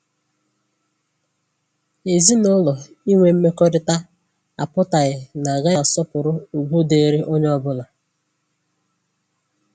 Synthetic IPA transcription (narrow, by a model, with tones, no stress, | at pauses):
e˨zi˦nʊ˦lɔ˨ | i˦ŋʷe˦m̩˦me˦kɔ˦dɪ˦ta˦ | a̰˨pʊ˦ta˨ɣɪ˨na˨ɡa˦ja˨sɔ˦pʊ˨ɾʊ˦u˨ɡʷu˦de˦ɾi˦ʔo˦ɲ˦ɔ˦bʊ˦la˨